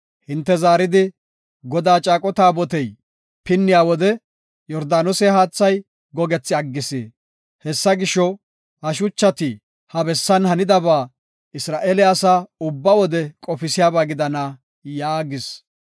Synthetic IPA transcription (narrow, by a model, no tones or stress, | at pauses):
hɪnt̪ːɛzaːɾɪd̪ɪ | ɡɔd̪aːt͡ʃʼaːkʼɔt̪aːbɔt̪ɛj | pɪnːɪjaːwɔd̪ɛ | jɔɾd̪aːnɔsɛɦaːt͡sːɐj | ɡɔɡɛt͡sːɪɐɡːɪsḛː | hɛsːɐɡɪʃɔ | hɐʃ̬ʊt͡ʃːɐt̪ɪ | hɐbɛsːɐnhɐnɪd̪ɐbaː | ɪsɾaːʔeːlɪasaːʊbːɐwɔd̪ɛkʼɔfɪsɪjaːbaːɡɪd̪ɐna | jaːɡɪs